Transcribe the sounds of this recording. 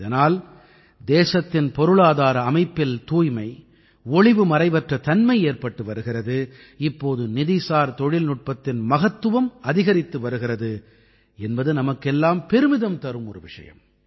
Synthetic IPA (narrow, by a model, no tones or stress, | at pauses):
ɪðɐnaːl | d̪eːsɐt̪ːɪnpɔɾɯɭaːðaːɾɐːmɐɪpːɪlt̪uːjmɐɪ | ɔɭɪʋɯmɐɾɐɪʋɐʈrɐt̪ɐnmɐɪeːrpɐʈːɯʋɐɾɯɣɪrɐðɯ | ɪpːoːðɯnɪðɪsaːɾt̪ɔɻɪlnʊʈ̚pɐt̪ːɪnmɐɣɐt̪ːɯʋɐmɐðɪɣɐɾɪt̪ːɯʋɐɾɯɣɪrɐðɯ | ɛnbɐðɯnɐmɐkːɛlːaːmpɛɾɯmɪðɐmt̪ɐɾɯmɔɾɯʋɪʂɐ̰jɐ̰m